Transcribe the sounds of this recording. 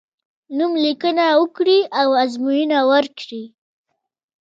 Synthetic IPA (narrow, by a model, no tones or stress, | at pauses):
numlikənawəkɽiawazmujinawəɾkɽi